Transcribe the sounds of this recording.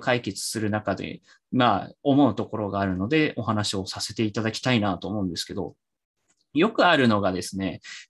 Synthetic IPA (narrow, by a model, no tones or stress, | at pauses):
kaike̞t͡sɨ̥sɨɾɯ̟nakad̪e̞̰ | maːo̞mo̞ɯ̟t̪o̞ko̞ɾo̞ɡaːɾɯ̟no̞d̪e̞o̞ɦanaɕio̞sase̞t̪e̞it̪ad̪akʲi̥t̪ainat̪o̞ːmo̞ɯ̟̃nd̪e̞sɨ̥ke̞d̪o̞̰ | jo̞kɯ̟aɾɯ̟no̞ɡad̪e̞sɨne̞